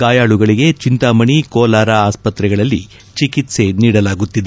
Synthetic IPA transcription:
ɡaːjaːɭuɡɐɭiɡe̞t͡ʃint̪amɐɳikɔːlaːɾaaːspɐt̪ɾɛɡɐɭɐlːḭ | t͡ʃikit̪se̞niːɽɐlaːɡut̪ːid̪e

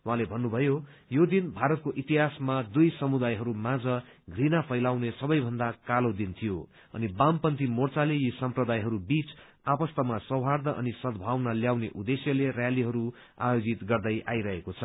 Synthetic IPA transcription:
wɦãlebʱʌnːubʱʌjo | jod̪inbʱaɾʌt̪̚koʔit̪iɦasmad̪ujsʌmud̪ajɦʌɾumad͡zʌ | ɡʱrinapʰʌjlawnesʌbʌjbʱʌnd̪akalod̪int̪ʰijo | ʌ̰nibampʌnt̪imort͡salejisʌmprʌd̪ajɦʌɾubit͡s | apʌst̪ʌmasʌwɦard̪ʌʔʌ̰nisʌd̪ʱbʱawnʌljawneʔud̪esjʌlerjaliɦʌɾu | a̰jod͡zit̪ɡʌrd̪ʌjʔa̰jɾʌɦekot͡sʰʌ

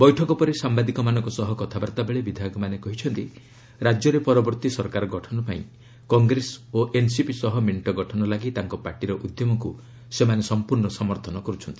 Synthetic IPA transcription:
bɔjʈʰɔkɔpɔɾesambad̪ikɔmanɔ̃ŋkɔsɔɦɔkɔt̪ʰabaɾt̪abeɭebid̪ʱaɡɔmanekɔɦit͡ʃʰɔnt̪i | ɾad͡ʒɔɾepɔɾɔbɔɾt̪isɔɾkaɾɔɡɔʈʰɔnɔpaĩ | kɔŋɡɾesoʔensipisɔɦɔmeɳʈɔɡɔʈʰɔnɔlaɡit̪aŋkɔpaɾʈiɾɔʔud̪jɔmɔku | semanesɔmpuɾɳɔsɔmɔɾt̪ʰɔnɔkɔɾut͡ʃʰɔnt̪i̥

